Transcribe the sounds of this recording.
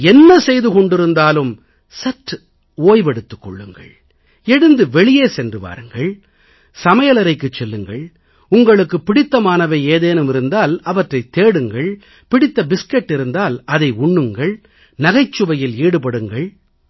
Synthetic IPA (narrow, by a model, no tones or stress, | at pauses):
ɛnːɐsɛjðɯkɔɳɖɪɾɯnd̪aːlɯm | sɐʈː | oːjʋɛɽɯt̪ːɯ̥kːɔ̰ɭːɯŋɡɐ̰ɭ | ɛɽɯnd̪ɯʋɛɭɪjeːsɛndrɯʋa̰ːɾɯŋɡɐɭ | sɐmɐjɐlɐɾɐɪkːɯt͡ʃːɛlːɯŋɡɐɭ | ʊŋɡɐɭɯkːɯpːɪɽɪt̪ːɐmaːnɐʋeːeːðeːnɯmɪɾɯnd̪aːlɐʋɐʈrɐɪt̪ːeːɽɯŋɡɐɭ | pɪɽɪt̪ːɐbɪskɛʈːɪɾɯnd̪aːlɐðɐɪʊɳːɯŋɡɐɭ | nɐɣɐɪt͡ʃːɯʋɐjɪliːɽɯpɐɽɯŋɡɐɭ